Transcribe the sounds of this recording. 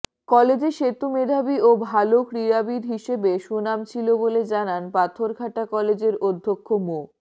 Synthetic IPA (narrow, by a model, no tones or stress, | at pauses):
kɔled͡ʑeʃet̪umed̪ʱabiobʱalokɾiɾabiɾɦiʃebeʃunamt͡ɕʰiloboled͡ʑananpat̪ʰoɾɡʱaʈakɔled͡ʑeɾod̪ʱːokʰːomo